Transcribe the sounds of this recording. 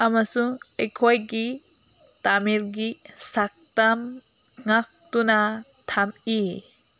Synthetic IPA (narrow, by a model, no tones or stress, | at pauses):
amasuŋekʰɔjɡi | tamiɾɡisak̚tam | ŋak̚tuna | tʰami